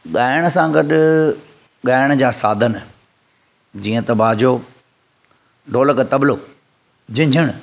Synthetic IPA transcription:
ɠaːɪɽ̃̆sãɡɐɗʊ | ɠaːɪɽ̃d͡ʑaːsaːd̪ʱən | d͡ʑiːə̃t̪ɐbaːd͡ʑoː | ɖoːləkət̪ɐbloː | d͡ʑɪ̃ɲd͡ʑʱəɽ̃

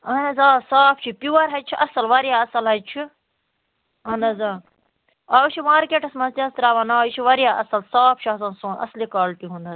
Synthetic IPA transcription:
ɐnɐzaːsaːp̚ʰt͡ʃʰipiʋɐɾɦɐt͡ʃʰiʔɐsɐlʋɐɾjaːɐsɐlɦɐjt͡ʃʰi | ɐnɐzaː | ɐwt͡ʃʰiʋãːɾkʲeʈʰɐsmɐzt̪iɐst̪ɾaːʋɐnaːt͡ʃʰiʋɐɾjaːʔɐsɐlsaːp̚ʰt͡ʃʰiɐsɐnsõːnɐ̰slikaːlp̪iɦũnd̪ɐz

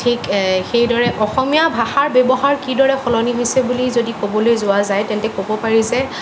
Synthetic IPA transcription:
tʰikxejdɔɹɛʔɔxɔmijabʱaxaɹbjɔbɔɦaɹkidɔɹɛxɔlɔniɦojsɛbulizodikobɔlojzʊwazajtɛntɛkobɔpaɹizɛ

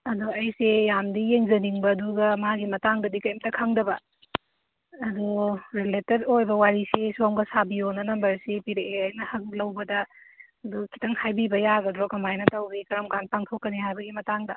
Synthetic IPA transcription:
ɐduɐjsejamdijeŋzɐniŋbɐːduɡɐmaɡimɐtaŋdɐdikɐjmtɐkʰɐŋdɐbɐ̰ | ɐduɾiletedojbɐwaɾisesomɡɐsabionɐnɐmbɐɾsipiɾeeɐjnɐhɐk̚lɐwbɐdɐ | ɐdukʰi̥tɐŋhajbibɐjaɡɐdɾokɐmajnɐtɐwbikɐɾɐmkanpaŋtʰokːɐnihajbɐɡimɐtaŋdɐ

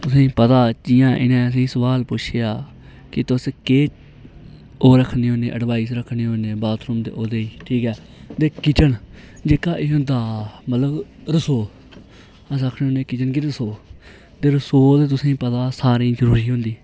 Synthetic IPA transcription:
t̪ʊsẽːpət̪aːd͡ʒijãːʔɪ̰nẽːəs̬ĩːsəʋaːlpʊʃʰejaː | kɪt̪ʊskeː | oːɾəkʰneːɦõːnḛːʔəɖʋaːiːsɾəkʰneːɦoːnẽːbaːt̪ʰɾʊːmd̪ḛːʔoːd̪eːiːʈʰiːkɛː | t̪eːkɪt͡ʃən | d͡ʒeːkaːʔɪɦːd̪aːmət̪ləbɾəsoː | əsəkʰneːɦoːneːkɪt͡ʃənk̬ɪɾəsoː | t̪eːɾəsoːd̪eːt̪̬ʊsẽːpət̪aːsaːɾĩːzəɾuːɾiːɦʊ̃nd̪iː

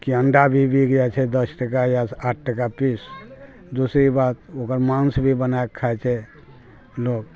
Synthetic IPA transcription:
kiə̃ɳɖabʱibʱikd͡ʒat͡ʃʰɛd̪əsʈəkajaaʈ̚ʰʈəkapis | d̪usɾibat̪oːkəɾmãnsbʱibənaekkʰːaɛt͡ʃʰɛ | loːk

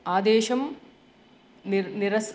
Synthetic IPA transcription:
aːd̪eːʃɐm | nirɐs

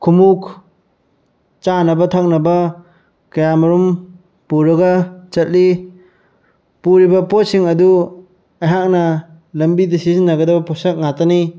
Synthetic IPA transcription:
kʰumuk | t͡ʃanɐbɐtʰak̚nɐbɐ | kɐjamɐɾum | puɾɐɡɐt͡ʃɐt̚li | puɾibɐpot̚siŋɐdu | ajɦak̚nɐ | lɐmbidɐsizinːɐɡɐdɐbɐpʰɔsɐk̚ŋatani

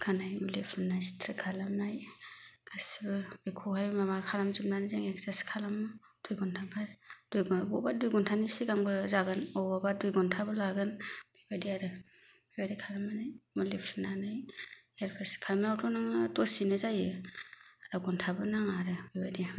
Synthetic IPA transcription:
kʰanajmulepʰunːajsi̥tʰɾɯkʰalamnajkʰasibɯbikʰɔhajmamakʰalamzip̚nanɯzaŋekzaskʰalamɯ | d̥ujɡɔntʰabad̥ujɡbɔbadujɡɔntʰanisiɡaŋbɯzaɡɯnɔbɔbadujɡɔntʰabɯlaɡɯnbibadiaɾɯ | bibadikʰalamanajmulepʰunanajeɾpʰaskʰalamnawtʰɔnaŋatɔsinɯzajɯ | aɾaɡɔntʰabɯnaŋaɾɯbibadi

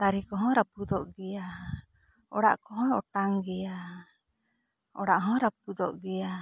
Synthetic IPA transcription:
t̪aɾikɔɦɔ̃ɾapud̪ɔʔɡɛja | ɔɽa̰ʔkɔɦɔ̃ɾɔʈaŋɡɛja | ɔɽaʔɦɔ̃ɾap̚ud̪ɔʔɡɛja

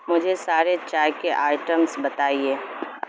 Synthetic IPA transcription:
mʊd͡ʒʱesaːɾet͡ʃaːjkeʔaːɪʈəmsbɐt̪aːieː

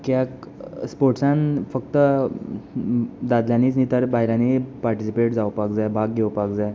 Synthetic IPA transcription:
kjak | spoɾʈsãnfək̚t̪ə | d̪ad̪ljãniːt͡snit̪əɾbaɦjɾjãnipaɾʈisipeʈd͡zaʋpakd͡zajbʱaɡɡeʋpakd͡zaj

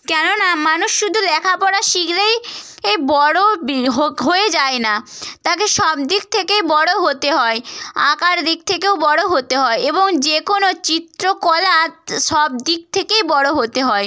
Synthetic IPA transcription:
kɛnonamanuʃʃud̪ʱulɛkʰapɔɽaʃiɡlej | ejbɔɽobɦoɦoed͡ʑaenat̪ak̬eʃɔb̚d̪ik̚t̪ʰekejbɔɽoɦot̪eɦɔeakaɾd̪ik̚t̪ʰekewbɔɽoɦot̪eɦɔeeboŋd͡ʑekonot͡ɕit̪ɾokɔlat̪ʃɔb̚d̪ik̚t̪ʰekejbɔɽoɦot̪eɦɔe

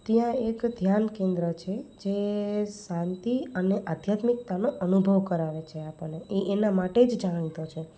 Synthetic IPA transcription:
t̪jãekd̪ʱjankẽnd̪ɾət͡ʃʰed͡ʒesãnt̪iəneʔad̪ʱjat̪mik̚t̪anoʔənubʱəʋkəɾaʋet͡ʃʰeapəɽːeʔeʔenamaʈed͡ʒd͡ʒamɽ̃it̪ot͡ʃʰe

